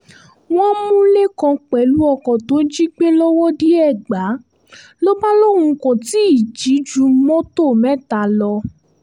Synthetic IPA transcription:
w̃ɔ̃˦mũ˦le˦kɔ̃˧k͡pɛ˨˦lu˦ɔ˧kɔ̃˨to˨˦d͡ʒi˦k͡pe˦lɔ˦wɔ˦di˦ɛ˦˨ɡ͡ba˨˦ | lo˦ba˦lo˦˨hũ˧kɔ̃˨ti˨˦i˦˨d͡ʒi˨˦d͡ʒu˨˧mɔ̃˦to˦˨mɛ˦˨ta˨lɔ˧

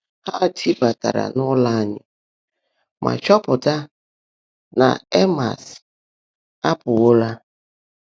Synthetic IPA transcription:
ha˦˨tʰi˦ba˨ta̰˨ɾa̰˨nʊ˦la˦ɲɪ˨ | mʔa̰˨t͡ʃɔ˦pʊ˨ta˦ | na̰˨e˦ma̰˨s | a˦pʊ˨wo˦la˦

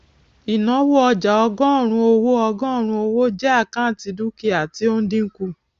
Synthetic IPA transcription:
i˨nã˨˦wo˦ɔ˧d͡ʒa˨ɔ˧ɡɔ̃˦˨ɾ̃ũ˧o˧wo˦ɔ˧ɡɔ̃˦˨ɾ̃ũ˧o˧wo˦d͡ʒɛ˦a˦˨kã˦˨ti˨˧du˦ki˧˦a˨ti˦o˦n̩˦dĩ˦ŋ̩˦ku˧

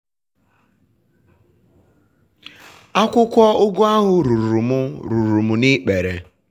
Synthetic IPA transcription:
a˦kʷʊ˦kʷɔ˦ʊ˦ɡʊ˦a˦ɦʊ˨ɾu˨ɾu˨mʊ˦ɾu˨ɾu˨mʊ˨ni˦k͡pe˨ɾḛ˨

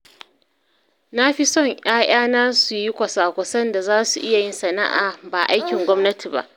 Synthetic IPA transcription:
na˦ɸi˦sɔ˦˨ɲʔj̰aː˦j̰aː˦naː˦su˨ji˦kʷɐ˨saː˨kʷɐ˨sɐ˦nda˨zaː˦su˨ʔɪ˦ja˨jɪ˦nsɐ˨na̰˦ʔa̰ː˨ba˨ʔa˦jkʲɪ˨ŋɡʷɔ˦mnɐ˦tʰi˨ba̰˦ʔ

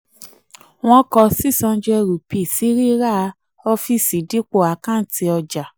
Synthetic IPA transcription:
w̃ɔ̃˦kɔ˧si˦˨sɔ̃˧˦d͡ʒɛ˧ɾu˨pi˨si˨˦ɾi˦ɾa˦˧˦ | ɔ˧fi˦˨si˨di˨˦k͡po˦˨a˨˦kã˦˨˦ti˧ɔ˧d͡ʒa˨

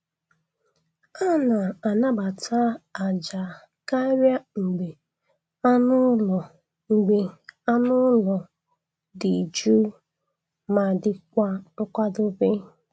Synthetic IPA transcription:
a˦na˨a˨na˦ba˨tʰa˦a˨d͡ʒa˨ | ka˦ɾja˦ŋ͡m̩˨ɡ͡be˨ | a˦nʊ˦lɔ˨ | ŋ͡m̩˨ɡ͡be˨a˦nʊ˦lɔ˨ | di˨d͡ʒu˦ | ma˨dɪ˨kʷa˦ʊ˦kʷa˦dʊ˦be˦

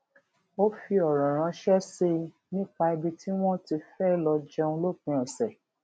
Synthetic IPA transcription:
o˦fi˧ɔ˨ɾɔ̃˨ɾ̃ã˧˦ʃɛ˦se˧ | nĩ˦˨k͡pa˧i˧bi˧ti˦w̃ɔ̃˦ti˧fɛ˦lɔ˧d͡ʒɛ˧ũ˧˦lo˦˨k͡pĩ˧˦ɛ˨sɛ˨

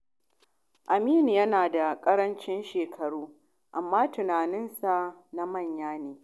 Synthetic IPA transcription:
ʔa˨miː˦˨n˨jɐ˦naː˨da˨kʼɐ˦ɽɐ˦nt͡ʃɪ˦nʃeː˨kʰɐ˨ɽuː˦ | ʔa˨mːaː˦tʊ˨naː˨nɪ˦nsa˨na˦mɐ˦˨ɲjaː˦neː˨

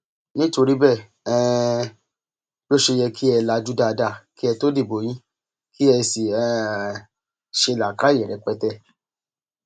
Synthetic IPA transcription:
nĩ˦to˧ɾi˦bɛ˦˨ | ɛ˧ | jo˦ʃe˧jɛ˧kʰi˦ɛ˧la˧d͡ʒu˦da˧da˧˨ki˦ɛ˧to˦di˦˨bo˨˦j̃ĩ˦ | ki˦ɛ˧si˨ɛ˧ | ʃe˧la˨ka˦e˨ɾɛ˨˧k͡pɛ˦tɛ˧˨

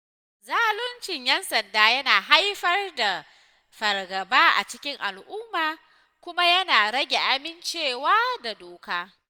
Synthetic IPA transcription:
zaː˦lʊ˦nt͡ʃɪ˨ɲjɛ˦nsɐ˨ndaː˦jɐ˦naː˨ɦa˦jɸɐ˦rda˨ | ɸɐ˨rɡɐ˨baː˦ʔa̰˨t͡ʃɪ˦kʲɪ˦ŋʔa˨lʔʊ˦mːaː˨ | kʷʊ˦ma˦jɐ˦naː˨ɾɐ˦ɡʲe˨ʔa˦mɪ˦nt͡ʃeː˦˨waː˦da˨doː˨kaː˦

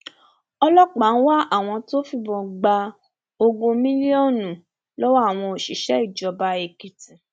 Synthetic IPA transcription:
ɔ˧lɔ˦k͡pa˨˦n̩˦wa˦ʔa˦˨w̃ɔ̃˧to˦fi˦˧bɔ̃˧ɡ͡ba˧ | o˧ɡõ˧mĩ˦li˦o˦˨nũ˨ | lɔ˦wa˦a˦˨w̃ɔ̃˧o˨ʃi˨ʃɛ˨˦i˦˨d͡ʒɔ˧ba˧e˨ki˨ti˨

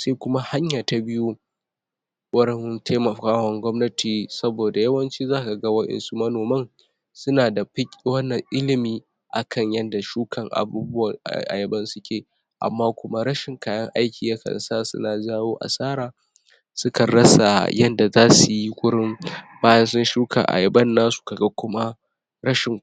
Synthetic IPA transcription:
se˦kʷʊ˦ma˦ha˦ɲjaː˨ta˨bɪ˦ju˦ | wʷɐ˦ɽɪ˦ŋtʰe˦mɐ˨kaː˦wɐ˦ŋɡʷɔ˦mnɐ˦tiː˨sɐ˦boː˨da˨jɐ˦wɐ˦nt͡ʃiː˦zaː˦ka˨ɡɐ˦wɐ˦ɗɪ̰˦nsu˦mɐ˦noː˨mɐ˦ŋ | sʊ˦naː˨da˨ɸɪ˦kʲʼwɐ˦nːɐ˨ŋʔɪ˦lɪ˨miː˦ | ʔa̰˨kʰɐ˦˨ɲjɐ˦nda˨ʃuː˦kʰɐ˨ŋʔa̰˨buː˦bʊ˦wa̰˨ʔa̰˨jɐ˨bɐ˦nsʊ˦kʲʰeː˨ | ʔa̰˨mːaː˦kʷʊ˦ma˦ɾɐ˦ʃɪ˨ŋkaː˦jɐ˦ŋʔa˦jkʲʰiː˨ja˦kɐ̰˨saː˦sʊ̰˦naː˨d͡ʒaː˦woː˦ʔa̰˨saː˦ɾaː˨ | sʊ˦kɐ˨ɽɐ˦sa̰˨jɐ˦nda˨zaː˦su˨ji˦kʷʼʊ˦ɽɪ˦mbaː˦jɐ˦nsʊ˦nʃuː˦kʰa̰˨ʔa̰˨jɐ˨bɐ˦nːaː˦su̥˨ka˨ɡa˦kʷʊ˦ma˦ | ɾɐ˦ʃɪ˨ŋ

